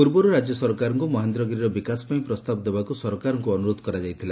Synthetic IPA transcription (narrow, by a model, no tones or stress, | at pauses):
puɾbɔɾuɾad͡ʒjɔsɔɾɔkaɾɔŋkumɔɦend̪ɾɔɡɾiɾɔbikasɔ̥paĩpɾɔst̪abɔd̪ebakusɔɾɔkaɾɔŋkuɔnuɾod̪ɔkɔɾad͡ʒajt̪ʰila